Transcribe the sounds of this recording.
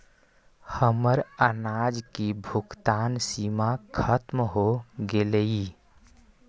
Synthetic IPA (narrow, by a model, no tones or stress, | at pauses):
həməɾənaːd͡ʒkibʱʊɡt̪aːnsimakʰət̪mɦoɡelei